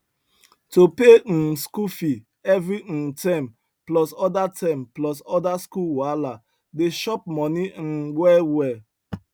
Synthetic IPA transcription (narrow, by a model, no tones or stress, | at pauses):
topeskufi | ɛvɾitãm | plɔsɔdatʰɛ̃mplɔsɔdaskuwala | deʃɔp̚mɔnin̩wɛlwɛ